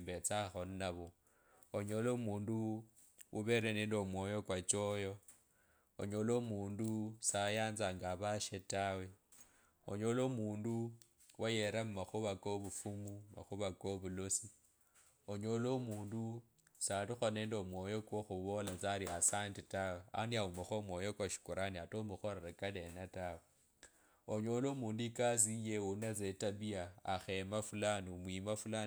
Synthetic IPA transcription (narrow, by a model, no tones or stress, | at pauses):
mbet͡saxo̞nnaβo | oɲo̞loːmuːndu | uβe̞ɾeneːndo̞mwo̞ːjo̞kwat͡ʃo̞jo̞ | o̰ɲo̞lo̞muːndusajaːnzaŋɡaβaʃetawe | o̰ɲo̞loːmuːndu | wajeɾammaxuβakoβufumuma̰xuβakoβulosi | oɲo̞lomuːndu | satixone̞ːndomwo̞jo̞kwoxuβo̞lat͡saɾiasantitawea̰niaumaxomwojokwaʃi̥kuɾaniatomuxo̞ɾeɾekale̞natawe | oɲo̞lomuːnduikaz̬ijeunat͡setaβiaːxemafulanumwiːmafula